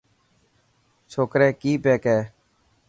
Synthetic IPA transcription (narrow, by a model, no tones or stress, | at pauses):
t͡ʃʰoːkɾɛ̃ːkiːpeːkɛː